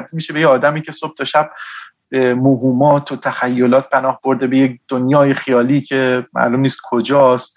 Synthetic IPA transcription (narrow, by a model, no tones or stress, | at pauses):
ɾd̪imiʃebejeɒːd̪æmiːcʰe̞sob̥̚t̪ʰɒʃæb̥ | b̥emoɦuːmɒːt̪ʰot̪ʰæxæjːolɒːt̪̚pʰænɒːhb̥o̞ɾd̪e̞bejekd̪̥onjɒːjexijɒːliːcʰe̞mæ̰ʔlumniːst̪̚kʰo̞d͡ʒɒːst̪̚